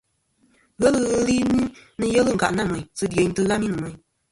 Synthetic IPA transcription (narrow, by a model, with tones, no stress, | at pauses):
ɣə˦lɨ˦ɣɨ˦li˦ni˦nɨ˦jɛ˦lɨ˦˨ŋ̩˨ka̰˨ʔna˦˨mɛ˨ɲ˨sɨ˦de˨ɲ˦tɨ˦ɣa˦mi˦nɨ˨mɛ˨ɲ˨